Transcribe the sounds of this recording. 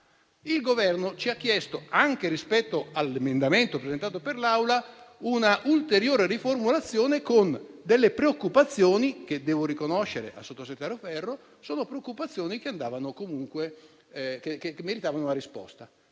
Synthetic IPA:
ilɡovɛrnot͡ʃiak̟ːjɛst̪oaŋkeɾispɛt̪ːoalːemend̪ament̪opɾezent̪aːt̪operlawlaunaʔult̪eɾjoːɾeriformulat̪sːjoːnekond̪elːepɾeokːupat̪sːjoːniked̪ːɛːvoɾikonoʃːeɾḛʔa̰sːot̪ːoset̪ːaːɾofɛrːo | soːnopɾeokːupat̪sːjoːnikeand̪aːvanokomuŋkwe | kekekemːeɾit̪aːvanouaɾispɔ̰st̪a

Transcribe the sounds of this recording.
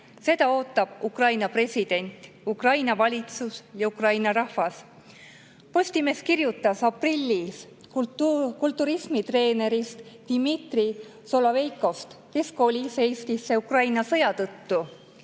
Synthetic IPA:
se̞d̪̥ɑo̞ːt̪ːˑɑb̥̚ukrɑjnɑpre̞sʲid̪̥e̞nʲt̪ˑ | ukrɑjnɑvɑlʲit̪susjɑukrɑjnɑɾɑhvɑs | po̞sʲt̪ime̞skirjut̪ːˑɑsɑprilʲːis | kult̪ːˑuɾismit̪re̞ːne̞ɾist̪d̪̥imit̪ri | so̞lovejkˑo̞st̪kesko̞lʲise̞jst̪isːe̞ukrɑjnɑsɤ̞jɑt̪ɤt̪ːu

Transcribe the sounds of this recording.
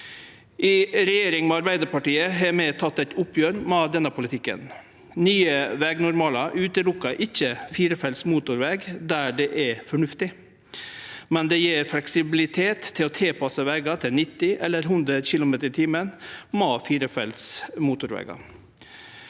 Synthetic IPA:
ʔɪɾɛjeːɾɪŋmɛɑɾbæɪd̪əɾpɑʈiːəɦɛmɛːt̪ʰɑt̪ːæt̪ʊpʰjøːɾmɛːd̪ɛnːəpʰʊlɪt̪ʰɪkːə̰n | nyːəʋɛːɡnʊɾmɑːlɑʔʉːt̪əlʊkːɑʔɪçːəfiːɾəfɛlsmuːt̪ʊɾʋɛɡd̪æːɖɛʔɛfɔɳʉft̪ɪ | mɛnd̪ɛjeːɾflɛksɪbɪlɪt̪ʰeːt̪ʰːɪlɔt̪ʰeːpʰɑsəʋɛːɡɑt̪ʰɪlnɪt̪ːɪʔɛlːəɾɦʉnd̪ɾəçɪlʊmeːt̪əɾt̪ʰiːmənmoːfiːɾəfɛ̰lsmuːt̪ʊɾʋɛ̰ːɡɑ̰

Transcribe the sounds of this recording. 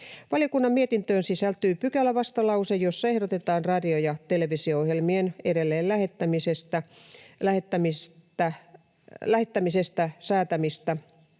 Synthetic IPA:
ʋɑlijokunːɑmmiet̪int̪øːnsisælt̪yːpykælːæʋɑst̪ɑlɑusejjosːɑehɾot̪et̪ɑːnrɑdiojɑt̪eleʋisioohjelmieneɾelːeːllæhet̪ːæmisest̪ælæhet̪ːæmist̪æ | læhet̪ːæmisest̪æsæːt̪æmist̪æ

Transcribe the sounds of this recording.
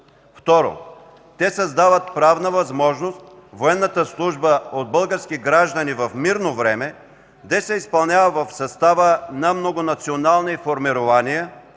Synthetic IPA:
ft̪ɔɾo̰ | t̪ɛsɐzd̪avət̪̚pɾavnəvɐzmɔʒnost̪voɛnːət̪əslˠuʒbəod̪̚bəlˠɡəɾskiɡɾaʒd̪ɐnivɐfmiɾnovɾɛmɛ | d̪ɛsɛispɐlˠnʲavəvɐfsɐst̪avənɐmnoɡonɐt̪sionalˠnifoɾmiɾovaniə

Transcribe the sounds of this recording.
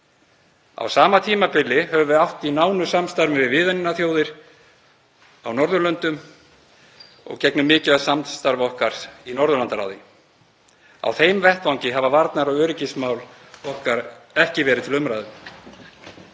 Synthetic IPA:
a̰wsaːmat̪ʰiːmapɪlːɪɦɛvʏvɪawht̪inaːwnʏsamst̪aɾmɪvɪðvɪːðaninaθjoːwðɪɾ̥ | awnɔɾðʏlœnt̪ʏm | ɔ̰ɣcɛknʏmːɪːcɪðasamst̪aɾvɔhkaɾ̥sinɔɾðʏlant̪aɾa̰wðɪ | a̰wθeːjmvɛht̪vawŋcɪɦavavaɾt̪naɾɔɣœːɾɪcɪsmaːwl | ɔhkaɾɛhcɪvɛːɾɪðt̪ʰɪlʏmɾaːjðʏm

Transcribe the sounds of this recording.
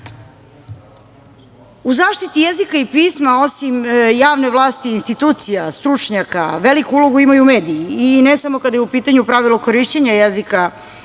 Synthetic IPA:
uzaːʃt̪it̪ijezikaipiːsmao̞simjaːʋne̞ʋlˠaːst̪iːnst̪it̪uːt̪sijast̪ɾut͡ʂɲaka̰ʋelikuulˠo̞ɡuimajumeːd̪ijiːnesamo̞kad̪ajeupiːt̪aɲupɾaʋilˠokoɾiʃt͡ɕeɲajezika

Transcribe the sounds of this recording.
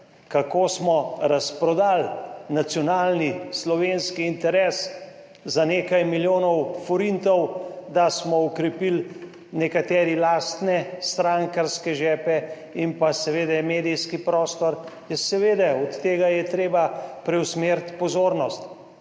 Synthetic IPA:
kakoːsmɔɾaspɾɔd̪alnat̪sjɔnaːlnislɔʋenskiːnt̪ɛɾes | zaneːkajmiljoːnɔwfɔɾint̪ɔwd̪asmɔɔkɾɛpil | nɛkat̪ɛːɾilaːst̪nɛst̪ɾaŋkaɾskɛʒɛːpɛ | impasɛʋeːd̪ɛmeːd̪ijskipɾɔːst̪ɔɾjɛsɛʋeːd̪ɛɔt̪ːeːɡajɛt̪ɾeːbapɾɛwsmeːɾt̪pɔzoːɾnɔst̪

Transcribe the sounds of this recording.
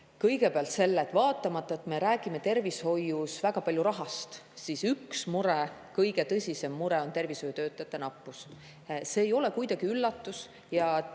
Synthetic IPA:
kɤjɡe̞peɑlt̪se̞lːet̪ːˑvɑːt̪ːˑɑmɑt̪ˑːɑet̪ːˑme̞ɾæːɡ̥ime̞t̪e̞rvisho̞jːusvæɡ̥ɑpɑlʲjuɾɑɦɑst̪ | sisyksmuɾekɤjɡe̞t̪ɤsʲise̞mːuɾe̞o̞nt̪e̞rviso̞jut̪ø̞ːt̪ˑːɑt̪ːˑenɑpːˑus | se̞ːjo̞lekujd̪̥ɑɡ̥iylːɑt̪ːˑus | jɑ

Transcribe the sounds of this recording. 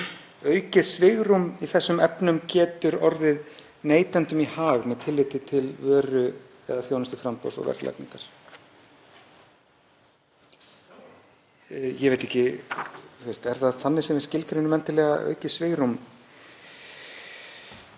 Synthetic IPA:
œːɥcɪsvɪɣɾumiθɛsːʏmɛpnʏmcɛːt̪ʏɾɔɾðɪð | neːjt̪ɛnt̪ʏmihaːvmɛðt̪ʰɪlːɪːt̪ɪt̪ʰɪlvœːɾʏ | ɛ̰ðaθjoːwnɪst̪ɪfɾampɔ̰wsɔ̰ɣvɛ̰ɾt̪lɛ̰knḭŋkaɾ̥ | jɛɣvejt̪ːɛhcɪ | θɪst̪ɛɾ̥θaðθanːɪsɛmvɪscɪlkɾɪnːʏmɛnt̪ɪlɛːɣaʔœ̰ːɥcɪsvɪɣɾum

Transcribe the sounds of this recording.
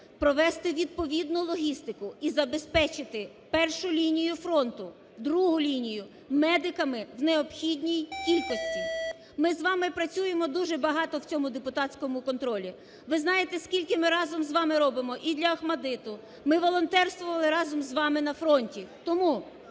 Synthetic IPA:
pɾɔʋɛst̪ɪʋʲid̪̚pɔʋʲid̪nʊlˠɔɦʲist̪ɪkʊizɐbespɛt͡ʃɪt̪ɪ | pɛrʃʊlʲinʲijʊfɾɔnt̪ʊ | d̪ɾuɦʊlʲinʲijʊ | mɛd̪ɪkɐmɪwneɔpxʲidʲnʲijkʲilʲkɔsʲtʲi | mɪzʋɑmɪpɾɐt͡sʲujemɔd̪uʒɛbɐɦɑt̪ɔwt͡sʲɔmʊd̪epʊt̪ɑt͡sʲkɔmʊkɔnt̪ɾɔlʲi | ʋɪznɑjet̪ɛskʲilʲkɪmɪɾɑzɔmzʋɑmɪɾɔbɪmɔʔid̪lʲɐɐhmɐd̪ɪt̪ʊ | mɪʋɔlˠɔnt̪ɛrst̪ʋɔʋɐlˠɪɾɑzɔmzʋɑmɪnɐfɾɔnʲtʲit̪ɔmu

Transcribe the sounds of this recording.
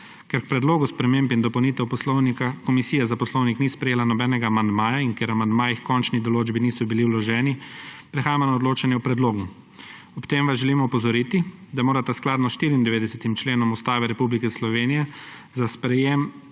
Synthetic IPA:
kɛɾk̚pɾɛd̪loːɡuspɾɛmempind̪ɔpɐwniːt̪ɛwpɔslɔnikakɔmisiːjɛzapɔslɔwniknispɾɛjeːlanɔbɛːnɛɡaːmand̪maːjaiŋkjeɾamand̪maːjixkɔnt͡ʃnid̪ɔloːd͡ʒbiniːsɔbiliwlɔʒɛːnipɾɛxaːmanaɔd̪loːt͡ʃanjɛwpɾɛd̪loːɡu | ɔpt̪eːmʋazʒɛlimɔpɔzɔɾiːt̪id̪amoːɾat̪asklaːd̪nɔsʃt̪iːɾiːnd̪ɛʋeːd̪ɛsɛt̪imt͡ʃleːnɔmust̪aːʋɛɾɛpublikɛslɔʋeːnijɛzaspɾɛjem

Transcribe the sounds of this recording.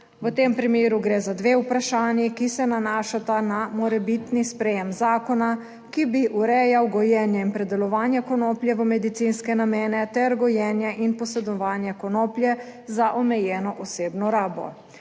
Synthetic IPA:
ʋət̪empɾimeːɾuɡɾeːzad̪ʋeːupɾaʃaːnjikisɛnanaːʃat̪anamɔɾɛbit̪nispɾɛjɛmzaːkɔna | kibiʔuɾɛjawɡɔjɛːnjɛinpɾɛd̪ɛlɔʋaːnjɛkɔnoːplʲjɛʋəmɛd̪it̪sinskɛnameːnɛt̪ɛɾɡɔjɛːnjɛʔinpɔsɛd̪ɔʋaːnjɛkɔnoːpljɛ | zaʔɔmɛjɛːnɔʔɔseːbnɔɾaːbɔ̰

